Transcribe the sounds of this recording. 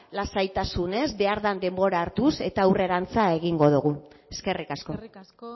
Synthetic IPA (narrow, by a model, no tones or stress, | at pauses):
lasajt̪asune̞zbe̞aɾðand̪e̞mbo̞ɾaːɾt̪use̞t̪aːure̞ɾant͡sae̞ɣiŋɡo̞ðuɣ̞ue̞ske̞rikasko̞